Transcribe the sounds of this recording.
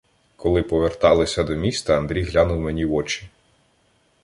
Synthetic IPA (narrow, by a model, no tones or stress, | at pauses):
kʰɔlˠɪpɔʋert̪ɑlˠɪsʲɐd̪ɔmʲist̪ɐɐnd̪ɾʲijɦlʲanʊwmenʲiʋɔt͡ʃi̥